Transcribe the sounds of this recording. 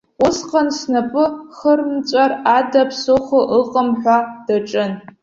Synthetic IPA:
ʊsqɐnsnɐpʼɨχərmt͡ʃʷʼaradapʰsɨχʷʊʔəqʼəmħʷᶣad̥aʈ͡ʂʼɨn

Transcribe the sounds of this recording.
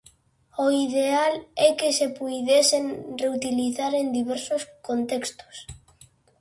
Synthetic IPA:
oiðealɛkesepujðesenreut̪iliθaɾend̪iβɛɾsʊskont̪ekst̪ʊ̥s

